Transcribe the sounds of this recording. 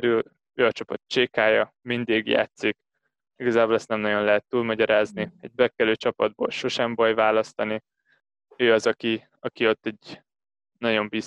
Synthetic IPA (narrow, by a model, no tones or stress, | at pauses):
ɾyl | øːɒt͡ʃɒpɒt̪̚t͡ʃeːkaːjɒ | mind̪eːɡja̰ːt̪sik | iɡɒzaːboːlɛst̪nɛmnɒɟo̞nlɛɦɛt̪ːuːlmɒɟɒɾaːzniɛɟ̚bɛkɛløːt͡ʃɒpɒd̪̚boːlʃo̞ʃɛmbɒjvaːlɒst̪ɒni | øːɒzɒki | ɒkio̞t̪ːɛɟ | nɒɟo̞mbis